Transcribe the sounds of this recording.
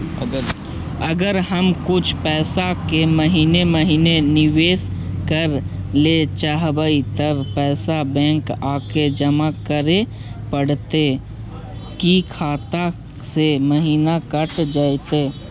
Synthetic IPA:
əɡəɾɦəmkʊt͡ʃʰpɛːsakeməɦiːneməɦiːnenɪʋeːskəɾlet͡ʃaɦbəit̪əbpɛːsabɛ̃ːŋkaːked͡ʒəmakəɾe | pəɽ̤t̪e | kikʰaːt̪a | seməɦiːnakəʈd͡ʒaːt̪e

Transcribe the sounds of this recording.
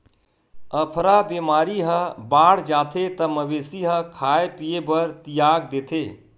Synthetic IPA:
əpʰɾabeːmaːɾiɦə̃baːɽ̤d͡ʒaːt̪ʰet̪əməʋeːsiɦə̃kʰaːepijebəɾt̪ijaːɡ̚d̪eːt̪ʰeː

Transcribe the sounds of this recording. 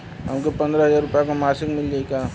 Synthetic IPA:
ɦəmkopɐ̃nd̪ɾaɦəzaːɾʊpjakamaːsɪkmɪld͡ʒaikaː

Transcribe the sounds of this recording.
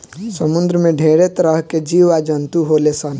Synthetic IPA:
səmund̪ɾəmeɖʱeɽet̪ɾəɦked͡ʒiʋad͡ʒənt̪uɦolesən

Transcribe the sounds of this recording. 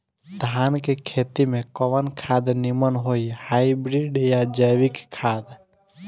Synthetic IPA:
d̪ʱaːnkekʰeːt̪imẽkɔʋənkʰaːd̪nimənɦoihajbɾiɖjad͡ʒəjʋɪkkʰːaːd̪

